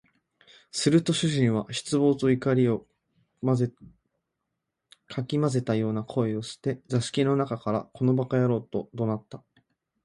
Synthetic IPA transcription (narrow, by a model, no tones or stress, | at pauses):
sɨɾɯ̟t̪o̞ɕɨʑĩɰ̃βaɕi̥t͡sɨbo̞ːt͡soikaɾʲio | kʰakʲimaze̞t̪ajo̞ːnakʰo̞e̞o̞ɕi̥t̪e̞zaɕi̥kʲino̞nakakaɾa̰kʰo̞no̞bakajaɾo̞ːt̪o̞d̪o̞nat̪ːa